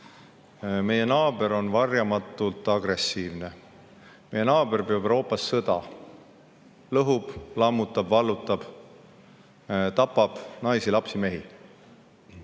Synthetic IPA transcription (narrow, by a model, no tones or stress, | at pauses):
me̞je̞nɑːb̥e̞ɾo̞nvɑrjɑmɑt̪ːˑult̪ːˑɑɡ̥re̞sːiːvne̞ | me̞jenɑːb̥e̞rpeɑbeɾo̞ːpːˑɑsːɤd̪̥ɑ̰ | lɤɦub̥lɑmːut̪ːˑɑb̥vɑlːut̪ːˑɑb̥ | t̪ɑpːˑɑb̥nɑjsilɑpsime̞ɦi